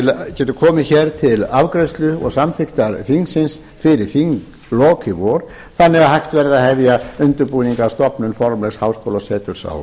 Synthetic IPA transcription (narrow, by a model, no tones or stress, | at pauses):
ɪlcɛːt̪ʏkʰɔːmɪçɛɾ̥t̪ʰɪlavkɾɛst̪lʏɔ̰ɣsamfɪht̪aɾθiŋsɪns | fɪɾɪɾ̥θiŋk | lɔːkɪvɔːɾ | θanːɛɣaɦajht̪vɛɾðaðhɛvjaʏnt̪ʏɾpuːniŋkast̪ɔpnʏnfɔɾmlɛɣshawskowlasɛːt̪ʏɾ̥sa̰w